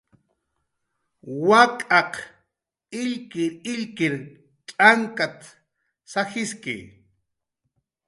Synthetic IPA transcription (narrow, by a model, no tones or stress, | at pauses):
wakʼɑq | ɪʎkɪɾɪʎkɪɾ | t͡ʃʼaŋkat̪ | saxɪskɪ̰